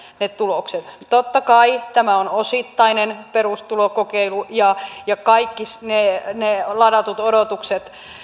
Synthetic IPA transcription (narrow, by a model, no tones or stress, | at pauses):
net̪ulokset̪t̪ot̪ːɑkɑit̪æmæonosit̪ːɑinenperust̪ulokokeilujɑjɑkɑikːisnenelɑdɑt̪ut̪odot̪ukset̪